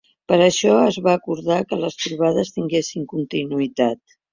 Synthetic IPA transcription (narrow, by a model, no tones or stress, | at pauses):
pəɾəʃɔəzβaːkuɾðakələst̪ɾuβ̞að̞əst̪iŋɡesiŋkunt̪inuit̪at̪̚